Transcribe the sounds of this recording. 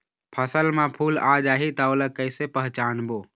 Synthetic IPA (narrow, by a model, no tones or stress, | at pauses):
pʰəsəlmãpʰuːlaːd͡ʒaːɦit̪aoləkəɪsepəɦt͡ʃaːnboː